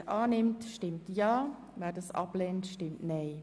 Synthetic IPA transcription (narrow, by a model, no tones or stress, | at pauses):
ʔɑːnɪmtʃtɪmtjɑː | vɛːdɑsɑ̰blɛːntʃtɪmtnɛɪ